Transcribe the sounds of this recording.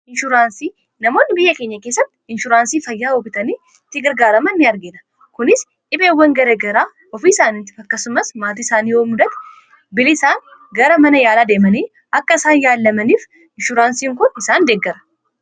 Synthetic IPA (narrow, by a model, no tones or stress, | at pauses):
ɪnʃʊɾaːnsiː | nɐmo̞ːnːɪbɪjːɐke̞ːɲːɐkeːsːɐt̪ːɪɪnʃʊɾaːnsiːfɐjːaːobɪt̪ɐniː | t̪ːɪɡɐɾɡaːɾɐmɐnːɪɐɾɡɪnɐ̥ | kʊnɪs | ᶑɪbe̞ːwːɐŋɡɐɾeːɡɐɾaː | ɔfiːsaːnɪt̪ːɪfɐkːɐsʊmɐsmaːt̪̬iːɪsaːniːoːmʊd̪ɐt̪ɛ̥ | bɪlɪsaːŋɡɐɾɐmɐnɐjaːlaːd̪e̞ːmɐniː | ʔɐkːɐɪsaːnjaːlːɐmɐniːf | ɪnʃʊɾaːnsiːŋkʊnɪsaːnd̪eɡːɐɾɐ̥